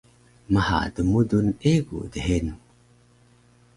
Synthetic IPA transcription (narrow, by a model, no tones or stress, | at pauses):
məha̰dəmuduneɡṵdəɦen